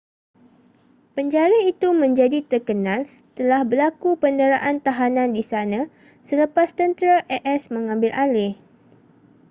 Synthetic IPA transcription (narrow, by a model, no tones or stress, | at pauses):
pəɲd͡ʒaɾait̪umə̃ɲd͡ʒadit̪ərkənãlsə̥t̪əlahbəlakupəndəɾaʔant̪aɦanãndisanã | sələpast̪ənt̪əɾaʔɛʔɛsmə̃ŋãmbɪlʔalɪh